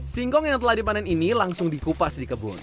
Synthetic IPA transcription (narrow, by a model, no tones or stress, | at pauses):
siŋkɔŋjaŋt̪əlahdipanɛninilaŋsʊŋdikupasdikəbʊ̰n